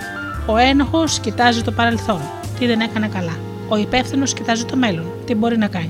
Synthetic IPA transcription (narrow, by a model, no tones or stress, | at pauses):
o̞e̞no̞xo̞scit̪ɐzit̪o̞pɐɾe̞lθo̞n | t̪iðe̞ne̞kɐnɐkɐlɐ | o̞ipefθino̞scit̪ɐzit̪o̞me̞lo̞nt̪ibo̞ɾinɐkɐɲi